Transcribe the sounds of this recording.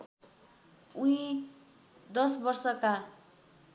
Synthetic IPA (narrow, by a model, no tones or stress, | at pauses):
uĩ | d̪ʌsbʌrsʌka